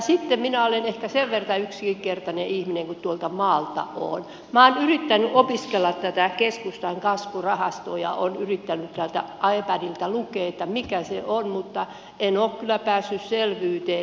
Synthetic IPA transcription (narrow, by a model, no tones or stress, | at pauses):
sit̪ːemminæolenehkæseʋʋert̪ɑyksikikert̪ɑneihmineŋkut̪t̪uolt̪ɑmɑːlt̪ɑ̰o̰ːn | mɑːnyrit̪ːænyʔopiskelːɑt̪t̪æt̪ækeskust̪ɑiŋkɑsʋurɑhɑst̪oːjɑ̰o̰nyrit̪ːænyt̪t̪ælt̪æ̰ʔɑepænilt̪ælukˑeːet̪ːæmikæseonmut̪ːɑ | enoːkkylːˑæpæːsːysselʋyːt̪eː